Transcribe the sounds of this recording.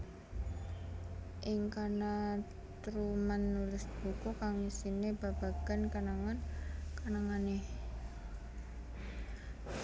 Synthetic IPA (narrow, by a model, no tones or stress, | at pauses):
ʔɪŋkana | t̪ɾumanːulɪsb̥ukukaŋisineb̥ab̥a̤ɡ̥ankanaŋankanaŋane